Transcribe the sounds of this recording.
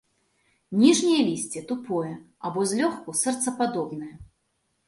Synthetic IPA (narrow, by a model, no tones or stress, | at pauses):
nʲiʐnʲijɐlʲisʲt͡sʲɛt̪upɔjɛ | abɔzʲlʲɔxkusɛrt̪sɐpad̪ɔbnɨjɐ